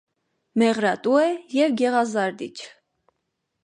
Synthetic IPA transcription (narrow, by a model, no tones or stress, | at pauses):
mɛʁɾɑt̪uɛjɛvɡɛʁɑzɑɾd̪ḭt͡ʃʰ